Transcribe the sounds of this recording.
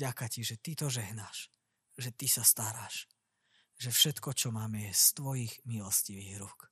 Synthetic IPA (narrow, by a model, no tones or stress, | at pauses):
ɟakaciʒɛt̪it̪ɔʒɛɦnaːʃ | ʒɛt̪isast̪aɾaːʃ | ʒɛfʃɛt̪kɔt͡ʃɔmaːmɛjɛst̪ʋɔjiːɣmilɔsciʋiːɣɾuk